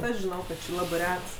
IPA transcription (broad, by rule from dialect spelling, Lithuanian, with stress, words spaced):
ˈɐʃ ʒʲɪˈnɐʊ ˈkɐt ˈt͡ʃʲɪ ˈlˠɑːbɜ ˈrʲɛts